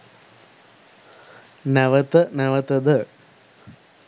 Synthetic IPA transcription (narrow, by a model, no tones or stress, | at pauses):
næʋət̪ənæʋət̪əd̪ə